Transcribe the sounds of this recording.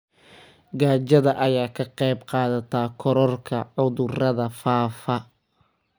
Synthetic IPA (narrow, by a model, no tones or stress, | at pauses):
ɡaːt͡ʃɐðɐʔɐjaːkʰɐqɑjbqɑːðɐt̪ʰaːkʰɔɾɔrkʰɐʕʊðʊrɐðɐfaːfɐ